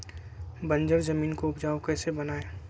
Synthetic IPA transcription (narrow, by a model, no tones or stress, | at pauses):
bə̃ɲd͡ʒəɾzɐmiːnkoʊpd͡ʒaːokɛːsebɐnaːeː